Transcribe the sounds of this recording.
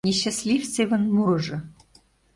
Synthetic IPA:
nʲeɕːasʲlʲifseβə̆nmuʒɤ̆

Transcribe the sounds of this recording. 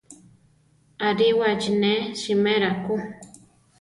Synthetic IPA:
aɾiwad͡ʒineʃimeɾaku

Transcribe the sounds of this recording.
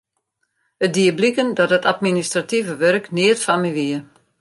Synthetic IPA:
ədiəblikəndɔtətatministrativəʋœrknɪətfamiʋiə

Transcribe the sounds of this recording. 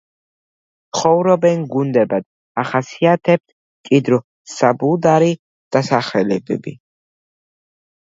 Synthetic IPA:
sχɔvɾɔbɛnɡund̪ɛbad̪̥̚ | aχasiat̪ʰɛb̚t̪̚ʰ | kʼid̪ɾɔ | sabulˠd̪aɾi | d̪̥asaχɛlɛbɛ̰bi

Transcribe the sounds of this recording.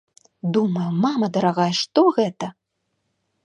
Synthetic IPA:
d̪umɐjumamɐd̪ɐɾaɣajʂt̪ɔɣɛt̪ɐ

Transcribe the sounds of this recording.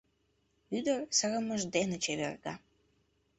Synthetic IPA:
yd̪ərsəɣə̆məʒd̪enet͡ɕeβḛrɡɑ

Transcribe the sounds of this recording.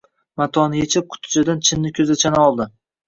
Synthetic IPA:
mat̪ʰɒnɪjet͡ʃʰɪp̚kʰʊ̥t̪ʰɪ̥d͡ʒad̪ant͡ʃʰɪnːɪkʲʰɵzat͡ʃʰanaɒlˠd̪ɪ

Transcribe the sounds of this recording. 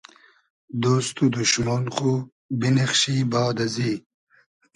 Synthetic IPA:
d̪oːst̪ud̪uʃmonχu | bineχɕiːbaːd̪ɐziː

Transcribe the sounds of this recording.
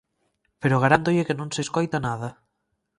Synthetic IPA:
peɾoɣaɾand̪oʎekenõŋseskojt̪anað̞ɐ

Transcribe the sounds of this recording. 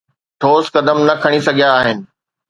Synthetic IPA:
ʈʰoːskɐd̪əmnɐkʰɐɽ̃isɐɡʱjaːɦɪnɪ̆

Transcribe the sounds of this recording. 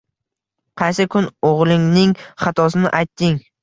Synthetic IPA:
qʰɑjsɪkʲʰʊnoʁlˠɪŋnɪŋχɑt̪ʰɒsɪnɪʔajt̪ːɪŋ

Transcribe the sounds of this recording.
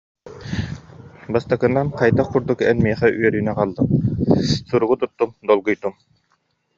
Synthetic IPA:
bast̪akɯnːanqajt̪aχkuɾd̪ukɛnmiɛχɛʔyœɾynɛqalˠd̪ɯm | suɾuɡut̪ut̪ːumd̪ɔlˠɡujt̪um

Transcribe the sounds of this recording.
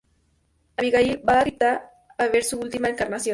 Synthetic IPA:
aβiɣaibaarit̪aː | βeɾsuult̪imaeŋkaɾnasjo

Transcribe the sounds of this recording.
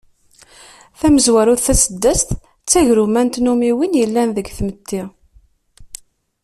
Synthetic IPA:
θæməzwæɾʊɾθæsəd̪ːəst̪ | t͡sːæʝɾumænt̪numiwinjəlːænðəɡθmət̪ʰːi

